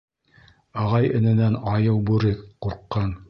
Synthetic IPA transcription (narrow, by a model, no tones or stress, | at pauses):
ɑʁɑjɘ̆nɘ̆nænɑjɤwbʉɾɘkquɾqːɑn